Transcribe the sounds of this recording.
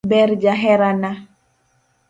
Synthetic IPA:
bɛɾd͡ʒaɦɛɾana

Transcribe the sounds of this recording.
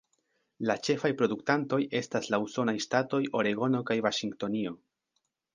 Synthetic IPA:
lat͡ʃe̞fajpɾo̞duktanto̞je̞staslauso̞najstato̞jʔo̞ɾe̞ɡo̞no̞kajvaʃiŋɡto̞nio̞

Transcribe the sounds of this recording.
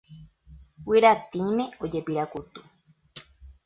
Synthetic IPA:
wiɾat̪imẽ̞od͡ʒepiɾakut̪u

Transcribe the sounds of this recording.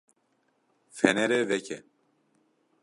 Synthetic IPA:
fɛnɛɾevɛcɛ

